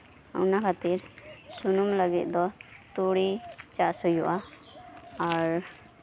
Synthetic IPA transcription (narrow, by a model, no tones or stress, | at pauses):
ṵnakʰat̪iɾsunumləɡit̪d̪ɔt̪uɽit͡ʃasujuʔa | aɾ